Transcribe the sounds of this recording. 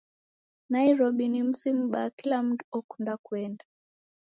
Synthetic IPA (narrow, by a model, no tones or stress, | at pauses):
naiɾɔɓinim̩sim̩ɓakilam̩tuɔkundakuɛnda